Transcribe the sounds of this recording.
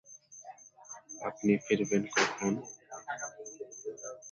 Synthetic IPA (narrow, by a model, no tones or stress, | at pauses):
apnifiɾbenkɔkʰon